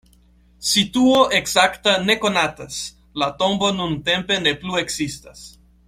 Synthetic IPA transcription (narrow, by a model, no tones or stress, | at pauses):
sit̪uoʔeksakt̪anekonat̪as | lat̪ombonunt̪empeneplueksist̪as